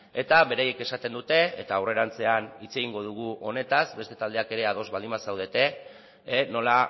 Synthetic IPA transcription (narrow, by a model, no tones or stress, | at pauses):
e̞t̪aβe̞ɾaje̞ke̞sat̪e̞nd̪ut̪e̞et̪aːwre̞ɾant͡se̞anit͡se̞ɣ̞iŋɡo̞ðuɣ̞uʔo̞ne̞t̪azbe̞st̪e̞t̪ald̪e̞ake̞ɾe̞aðo̞zβald̪imbasawð̞e̞t̪e̞ | no̞la